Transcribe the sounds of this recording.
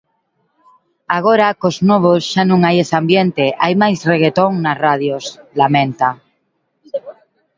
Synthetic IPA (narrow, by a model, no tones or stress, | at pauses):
aɣ̞oɾakoznoβ̞osʃanõŋajesambjent̪eʔajmajzreɣ̞et̪oŋnaraðjoslamẽnt̪a